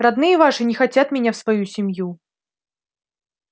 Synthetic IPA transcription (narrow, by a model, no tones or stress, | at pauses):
rad̪nɨjɛvaʂɨnʲɪxat͡sʲat̪mʲɪnʲafsvajusʲɪmʲju